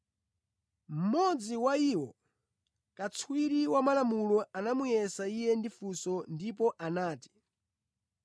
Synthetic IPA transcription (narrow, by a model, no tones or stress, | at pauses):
m̩mɔd͡ziwaiwɔ | kat͡sʰwiɾiwamalamulɔanamujɛsaijɛndifusɔndipɔʔanaːti̥